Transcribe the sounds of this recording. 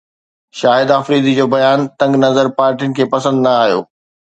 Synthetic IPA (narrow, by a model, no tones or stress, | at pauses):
ʃaːɪd̪afɾiːd̪id͡ʑoːbɐjaːnt̪ɐ̃ŋɡnɐzəɾpaːɾʈijʊnɪ̆kʰeːpɐsə̃nd̪nɐaːɦijo̰ː